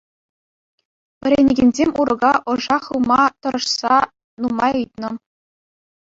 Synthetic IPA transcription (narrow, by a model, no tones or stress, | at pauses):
ʋʲɘ̆ɾʲenʲeɡʲenʲzʲemʲuɾɤ̆ɡɑʔɤ̆ʐɑχɯlˠmɑt̪ɤ̆ɾɤ̆ʂsɑ | numɑjɯjt̪nɤ̆